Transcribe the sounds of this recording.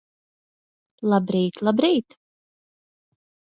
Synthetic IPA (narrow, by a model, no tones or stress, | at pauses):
lˠabɾiːt̪lˠabɾiːt̪